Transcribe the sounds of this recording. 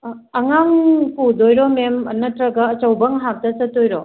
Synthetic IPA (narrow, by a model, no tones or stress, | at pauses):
ɐŋaŋpudojɾɔmemɐ̰nɐtɾɐɡaːt͡ʃɐwbɐŋɦak̚tɐsɐtːojɾɔ